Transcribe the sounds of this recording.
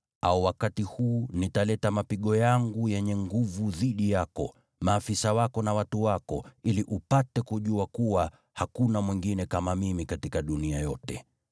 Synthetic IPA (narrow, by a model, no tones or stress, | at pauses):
auwakatihuːnitalɛtamapiɠɔjaŋɡujɛɲɛŋɡuvuðiɗijakɔ̰ | maːfisawakɔnawatuwakɔ̰iliʔupatɛkuʄuakuwa | hakunamwiŋɡinɛkamamimikatikaɗuniajɔtɛ